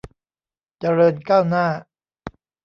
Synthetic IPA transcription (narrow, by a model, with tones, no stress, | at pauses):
t͡ɕa˧ɾɤː˧nkaː˥˩wnaː˥˩